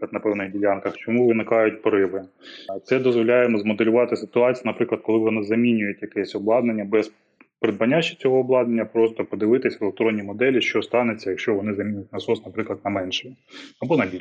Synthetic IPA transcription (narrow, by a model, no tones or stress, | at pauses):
ɐd̪nɐpɛwnɪjdʲilʲankɐxt͡ʃɔmuʋɪnɪkɑjʊtʲpɔɾɪʋɪt̪sɛd̪ɔzʋɔlʲajemɔzmɔd̪elʲʊʋɑt̪ɪsɪt̪ʊɑt͡sʲijinɐpɾɪklˠɐd̪̚kɔlˠɪʋɔnɪzɐmʲinʲʊjʊtʲjɐkɛsʲɔblˠɑd̪nenʲːɐbɛs | pɾɪd̪̚bɐnʲːat͡ʃːi̥t͡sʲɔɦɔːblˠɑd̪nenʲːɐpɾɔst̪ɔpɔd̪ɪʋɪt̪ɪsʲʋelˠek̚t̪ɾɔnʲːimɔd̪ɛlʲiʃt͡ʃɔst̪ɑnet͡sʲːɐjɐkʃt͡ʃɔʋɔnɪzɐmʲinʲjʊtʲnɐsɔsnɐpɾɪklˠɐd̪̚nɐmɛnʃɛm | ɐbɔnɐbʲilʲ